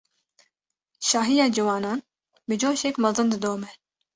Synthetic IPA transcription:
ʃɑːɦijɑːd͡ʒiwɑːnɑːn | bɨd͡ʒoːʃɛkmɐzɨnd̪ɨd̪oːmɛ

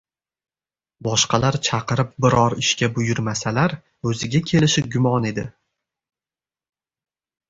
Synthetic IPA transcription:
bɒʃqɑlaɾt͡ʃʰɑqɨɾɪp̚bɪɾɒɾɪʃkʲabʊjʊɾmasalaɾ | ɵzɪɡʲakʲʰe̞lɪʃɪɡʲʊmɒne̞d̪ɪ

